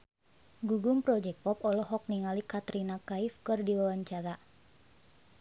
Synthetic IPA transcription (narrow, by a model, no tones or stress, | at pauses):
ɡuɡumpɾɔd͡ʒɛk̚pɔpɔlɔɦɔk̚niŋalikat̪ɾinakaifkɨrdiwawaɲt͡ʃaɾa